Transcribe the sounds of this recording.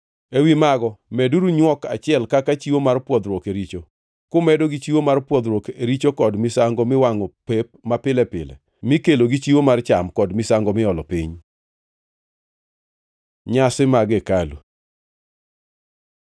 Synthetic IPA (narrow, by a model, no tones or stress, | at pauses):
ewimaɡɔmɛduɾuɲwɔka̰t͡ʃɪɛlkakat͡ʃiwomarpwɔd̪ɾwɔkeɾit͡ʃo | kʊmɛdoɡit͡ʃiwomarpwɔd̪ɾwɔkeɾit͡ʃokɔdmɪsaŋɡomɪwaŋɔpep̚mapɪlɛpɪ̰lɛ̰ | mɪkeloɡit͡ʃiwomart͡ʃamkɔdmɪsaŋɡɔmɪɔlɔpḭɲ | ɲasɪmaɡekalu